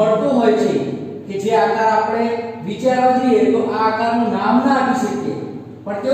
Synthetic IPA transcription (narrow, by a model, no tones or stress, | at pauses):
əɽt̪ũɦojt͡ʃʰe | ked͡ʒeak̪aɾapɽ̃eʋit͡ʃaɾʋat͡ʃʰieɾʔaakaɾnũnamnəapiʃəkjḛ | pəɳt̪e